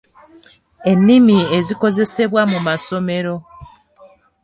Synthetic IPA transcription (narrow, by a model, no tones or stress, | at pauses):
e̞nːimie̞ziko̞ze̞se̞βwamumaso̞me̞ɾo̞